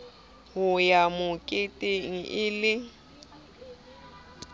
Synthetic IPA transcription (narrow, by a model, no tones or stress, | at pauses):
hʊjamʊkʼɪtʼeŋ̩ʔɪlɪ